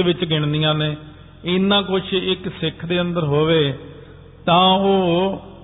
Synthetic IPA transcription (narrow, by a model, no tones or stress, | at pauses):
ʋɪt͡ʃɡɪɳ̃d̪ijãːneː | ɪnːãːkʊt͡ʃʰɪksɪkʰd̪eːə̃nd̪əɾɦoːʋeː | t̪ãːoː